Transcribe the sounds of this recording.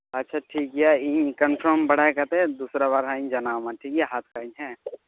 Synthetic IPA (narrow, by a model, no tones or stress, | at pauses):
ɐtːʃʰaʈʰiːk̚ɦijaĩkə̃npʰɾəmbɐɽ̤akɐt̪eɦɛ̃d̪uːsɾabaːɾɦãĩd͡ʒɐnaːwmãʈʰiːkɦijaɦaːt̪ʰkaĩɦɛ̃